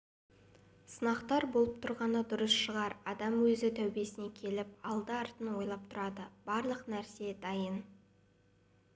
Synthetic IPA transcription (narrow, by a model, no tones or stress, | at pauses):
sənɑqt̪ɑɾbolˠəp̚t̪ʰʊɾʁɑnəd̪ʊɾəsʃəʁɑɾɑd̪ɑmwɵzɪt̪ʰæwbe̞sɪne̞kʲʰe̞lɪp̚ɑlˠd̪əɑɾt̪ənwo̞jlˠɑp̚t̪ʰʊɾɑd̪əb̥ɑɾlˠəqnæɾse̞d̪ɑjən